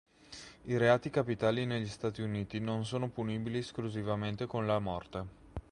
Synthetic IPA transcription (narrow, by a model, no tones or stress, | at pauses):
iɾeaːt̪ikapit̪aːlineʎːist̪aːt̪iuniːt̪inons̬oːnopuniːbilieskluzivament̪ekonlamɔrt̪e